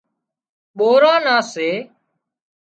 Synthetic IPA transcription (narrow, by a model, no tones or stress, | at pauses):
ɓoːɾãːnãːseː